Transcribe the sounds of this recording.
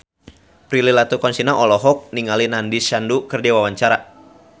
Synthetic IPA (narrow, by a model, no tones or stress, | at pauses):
pɾililat̪ukɔnsinaʔɔlɔɦɔk̚niŋalinandisandukərdiwawaɲt͡ʃaɾa